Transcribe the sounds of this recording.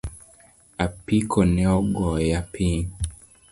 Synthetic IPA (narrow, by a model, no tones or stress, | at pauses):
apikʰɔnɛɔɡɔjapʰin